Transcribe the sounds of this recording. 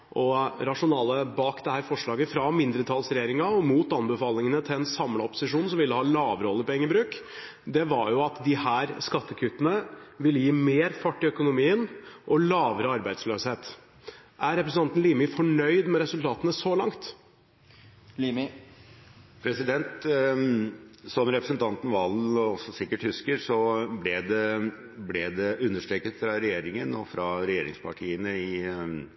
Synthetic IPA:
ʔɔɾɑʂʊnɑːləbɑːkd̪ɛhæːɾfɔʂɭɑːɡəfɾɑmɪnd̪ɾət̪ʰɑlsɾɛjeːɾɪŋɑɔmuːt̪ɑnbəfɑːlɪŋənət̪ʰɪɛnsɑmlɑɔpːʊ̥sɪʂuːnsɔmʋɪlːəhɑːlɑːʋɾəɔlːəɾpɔɛŋːəbɾʉːk | d̪ɛʋɑɾjʊɑt̪d̪ɪhæːɾskɑt̪ːəkʰʉt̪ːənəʋɪlːəjiːmeːɾfɑʈːɪœkʊnʊmiːənʔɔlɑːʋəɾəɑɾbæɪd̪sløːsheːt̪ | ʔæɾɾɛpɾəsn̩ɑnn̩liːmɪfɔɳœʏd̪mɛɾɛsʉlt̪ʰɑːt̪ənəsɔlɑŋt̪ | lim | pʰɾɛsɪd̪ɛnt̪ | sɔmɾɛpɾəsənt̪ʰɑnt̪n̩ʋɑlɔsɔsɪkːəʈhʉskəɾsɔblɛd̪ɛ | blɛd̪ɛʔʉnːəʂʈ̪ɾeːkət̪fɾɑɾɛjeːɾɪŋənɔfɾɑɾɛjeːɾɪ̰ŋspʰɑʈʰiːənəɪ

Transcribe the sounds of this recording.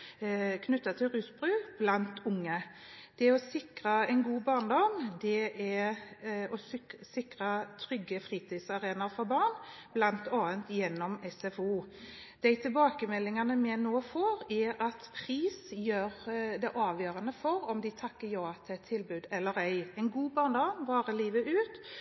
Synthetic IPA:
kʰnʉt̪ːɑt̪ʰɪlɾʉːsbɾʉːb̥lɑnt̪ʊŋːəd̪̥ɛɔsɪkɾɑɛɪnɡuːbɑːʁɳd̪ɔmd̪ɛɛ | ɔssɪkɾɑt̪ʰɾʏɡːəfɾiːt̪ʰɪsɑɾeːnɑfɔɾbɑnb̥lɑnt̪ɑːənt̪jɛnːɔmɛsɛfuːd̪̥æɪt̪ʰɪlbɑːkəmɛlːɪŋɑnəmɛnoːfoːɾɛɾɑt̪pʰʁiːsjøːɾd̪ɛʔɑːʋjøːɾɑnəfɔɾɔmd̪ɪt̪ʰɑkːəɾjɑːɑt̪ʰːt̪ʰːɪlbʉːd̪ɛlːəɾœʏɛɪnɡuːbɑːʁnd̪ɔmʋɑːɾəliːʋəʔʉːt̪

